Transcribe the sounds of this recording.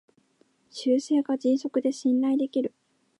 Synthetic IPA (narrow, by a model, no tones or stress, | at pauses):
ɕɨːse̞ːɡad͡ʑĩɰ̃so̞kɯ̟d̪e̞ɕĩnːaid̪e̞kʲiɾɯ̟